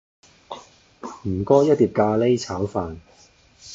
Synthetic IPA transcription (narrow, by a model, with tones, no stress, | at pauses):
m̩˨˩kɔː˥jɐ˥t̚liː˨˩p̚kaː˧le˥jt͡sʰaː˨˥wfaː˨n